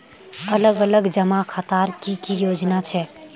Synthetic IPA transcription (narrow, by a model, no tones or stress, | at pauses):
ələɡələɡd͡ʒəmakʰat̪aːɾkikijoːd͡ʒnat͡ʃʰɛ